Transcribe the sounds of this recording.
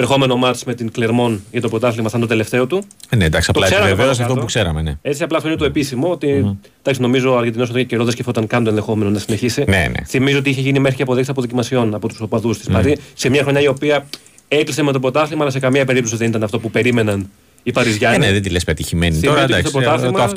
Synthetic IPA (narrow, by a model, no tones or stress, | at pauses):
ɾexo̞me̞no̞mɐɾt͡sme̞t̪iŋkleɾmo̞nʝɐt̪opɾot̪ɐθlimɐθɐnt̪ot̪e̞left̪e̞o̞t̪uned̪ɐksiɐptolɐseɾɐmeveos̬ɐft̪opukseɾɐmenee̞t͡siɐplɐft̪oinet̪oepisimo̞ot̪i | d̪ɐksino̞mizo̞ɐɾʝed̪inost̪oceceɾoðescefot̪ɐŋkɐnd̪onðe̞xo̞me̞nonɐsineçisinḛnḛθimizoot̪iiçe̞ʝinimexɾiceɐpo̞ðeksɐpoðicimɐsio̞nɐpo̞t̪uso̞pɐðust̪i̥spɐɾise̞mɲɐxɾo̞ɲɐio̞piɐ | e̞kliseme̞t̪opɾot̪ɐθlimɐɐlɐse̞kɐmiɐpe̞ɾip̚t̪osiðe̞nit̪ɐnɐft̪o̞pupe̞ɾime̞nɐn | ipɐɾizʝɐneðend̪ilespet̪içimeniioɾɐot̪ist̪opɾot̪ɐθlimɐ